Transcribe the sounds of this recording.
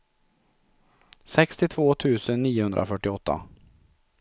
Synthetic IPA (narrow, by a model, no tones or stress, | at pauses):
sɛkst̪ɪt̪ʰvoːt̪ʰʉ̟ːsənːiːʊhɵnd̪ɾʔa̰fœʈːɪɔt̪ʰːa̰